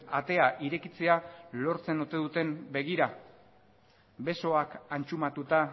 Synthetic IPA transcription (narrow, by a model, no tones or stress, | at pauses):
at̪e̞aʔiɾe̞kit͡se̞alo̞ɾt͡se̞not̪e̞ðut̪e̞mbe̞ɣ̞iɾa | be̞so̞akant͡ʃumat̪ut̪a